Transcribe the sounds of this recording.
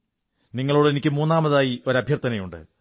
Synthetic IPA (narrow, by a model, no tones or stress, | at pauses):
niŋːɐɭoːɽɨe̞nikʲːɨmuːnːaːmɐðaːjio̞ɾɐbʱjɐrt̪ɐnɐjuɳɖɨ̰